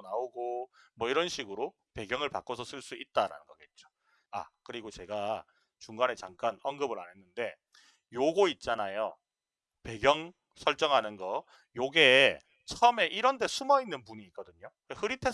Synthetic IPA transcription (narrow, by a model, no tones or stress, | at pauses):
naoɡomwʌiɾʌnɕʰiɡɯɾo | pe̞ɡjʌŋɯɭpa̰k͈osʰʌsʰɯɭs͈uit̚t͈aɾa̰nɯnɡʌɡet̚t͡ɕ͈o̥ | a̰kɯɾiɡot͡ɕe̞ɡa | t͡ɕuŋɡane̞t͡ɕaŋk͈anʌŋɡɯbɯɾa̰nɦe̞nːɯnde̞ | joɡoit̚t͡ɕ͈anajo | pe̞ɡjʌŋ | sʰʌɭt͡ɕ͈ʌŋɦanɯnɡʌ | joɡe̞ | t͡ɕʰʌʌme̞ʔiɾʌnde̞sʰumʌinːɯnpuɲiːk͈ʌdɯɲo | ehɯɾitʰe̞